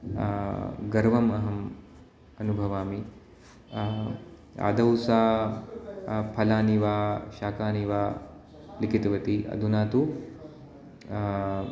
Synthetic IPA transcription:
ɡɐɾʋɐmɐɦɐm | ɐnubʱɐʋaːmi | a̰ːd̪ɐwsaː | pʰɐlaːniʋaːʃaːkaːniʋaː | likit̪ɐʋɐt̪iɐ̰d̪ʱunaːt̪u

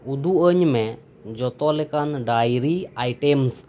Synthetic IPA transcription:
ud̪uʔəɲmɛ | d͡ʒɔt̪ɔlɛkanɖajɾiajʈɛms

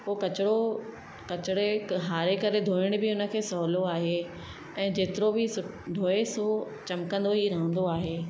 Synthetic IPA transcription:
poːkɐt͡ɕɪɽo | kɐt͡ɕɪɽeɦaːɾekɐɾed̪ʱoːɪɽ̃bɪʊnə̆kʰeːsɔɦloaːɦe | ɛ̃ːd͡ʑeːt̪ɪɾobɪsʊ | ɖʱoːeso | t͡ɕɐmkə̃nd̪oɦiɾɐɦə̃nd̪oaːɦeː

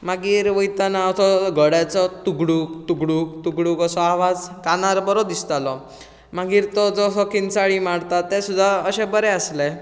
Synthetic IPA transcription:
maɡiːɾʋəjt̪anaəsɔɡʱəɽat͡sɔt̪uɡɽukt̪uɡɽukt̪uɡɽuːkəsɔaʋad͡zkanaɾbəɾɔd̪ist̪alɔ | maɡiːɾt̪ɔd͡zɔsɔkint͡saɭimaɽt̪at̪ːesud̪ʱːaəɕebəɾɛəsle

